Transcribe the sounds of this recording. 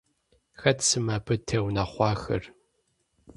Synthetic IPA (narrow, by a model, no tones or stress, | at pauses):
xɐtʰsɨmabɨtʰeːwnɐχʷɑːxɐ̰r